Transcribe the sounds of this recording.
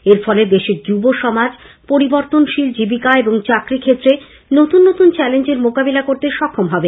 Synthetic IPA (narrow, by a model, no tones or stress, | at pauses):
eɾfɔleb̪eʃid͡ʑuboʃɔmad͡ʑ | poɾiboɾt̪onʃild͡ʑibikaeboŋt͡ɕakɾikʰet̪ːɾe | not̪unːot̪unt͡ɕɛlend͡ʑeɾmokabelakoɾt̪eɾʃɔkʰːomɦɔbe